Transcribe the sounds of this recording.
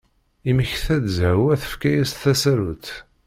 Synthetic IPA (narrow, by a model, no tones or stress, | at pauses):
iməçθæd̪zhæwæθə̥fkæjæsθæsæɾut̪